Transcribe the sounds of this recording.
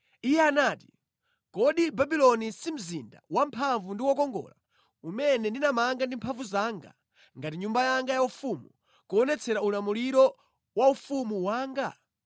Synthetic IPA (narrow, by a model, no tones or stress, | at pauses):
ijɛanaːti | kɔɗibabilɔnisim̩zinda̰wampʰaɱvundiwɔkɔŋɡɔ̰ːla̰ | umɛnɛndinamaŋɡandimpʰaɱvuzaːŋɡa̰ | ŋɡatiɲumbajaŋɡajaufumu | kuɔnɛt͡sʰɛɾaulamuliɾɔ | waufumuwaːŋɡa